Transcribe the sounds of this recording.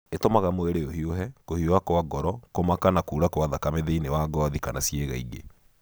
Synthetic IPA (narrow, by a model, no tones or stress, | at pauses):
etomaɣamoeɾeohioɦɛkohioakoaɡɔɾɔkomakanakuːɾakowaðakameðeinewaɡɔːðikanasjeɣaiɡḛ